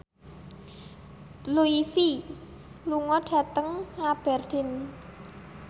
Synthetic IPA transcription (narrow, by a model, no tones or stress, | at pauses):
luifi | luŋɔɖ̥ä̤t̪əŋab̥ɛ̤rd̪̥ɪ̤n